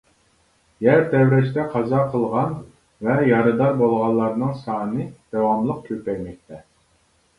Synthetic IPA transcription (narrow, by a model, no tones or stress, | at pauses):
jæɾd̪ɛwɾɛʃt̪ɛqʰɑzɑqʰəlˠʁɑn | vɛjɑɾɨd̪ɑɾbolˠʁɑnlˠːɑɾnɨŋsɑːnɨd̪̥ɑwɑmlˠəq̚kʲʰøpɛjʲmɛk̚ʲt̪ʰɛ